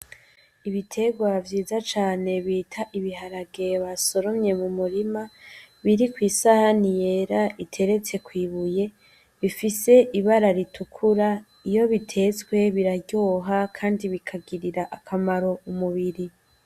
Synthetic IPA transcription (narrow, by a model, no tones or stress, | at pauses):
iβitʰe̞ɡwavjiːzat͡ʃaːne̞βiːtʰaʔiβiɦaɾaɡeβaso̞ɾo̞mɲe̞mumuɾimaβiɾikwiːsahanije̞ɾaʔitʰe̞ɾe̞t͡se̞kwiːβuje̞ | βifise̞ʔiβaɾaɾitʰukʰuɾa | ijo̞βitʰe̞t͡swe̞βiɾaɾɟo̞ɦakʰaːndiβikʰaɡiɾiɾaʔakʰamaɾo̞umuβiɾi